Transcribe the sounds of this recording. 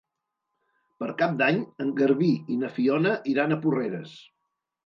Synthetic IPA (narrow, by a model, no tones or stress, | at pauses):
pəɾkap̚d̪aɲəŋɡəɾβiinəfiɔnəʔiɾanəpureɾəs